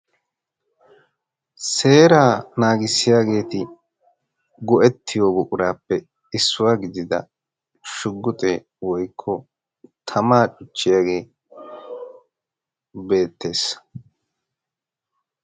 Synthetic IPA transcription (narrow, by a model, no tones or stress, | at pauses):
se̞ːɾaːnaːɡɪsːɪjaːɡe̞ːt̪ɪ | ɡɔʔɛt̪ːɪjoːɡʊkʼʊɾaːpːɛ | ɪsːʊwaːɡɪd̪ɪd̪ɐ̰ | ʃʊɡːʊt̪ʼeː | wɔjkʰːɔ | t̪ʰɐmaːt͡ʃʼʊt͡ʃːɪjaːɡe̞ː | be̞ːt̪ːe̞ːs